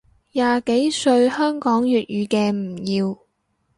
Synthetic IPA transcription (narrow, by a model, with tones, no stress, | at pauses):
jaː˨ke˨˥jsɵ˧ɥhœː˥ŋkɔː˨˥ŋjyː˨t̚jyː˨˧kɛː˧m̩˨˩jiː˧w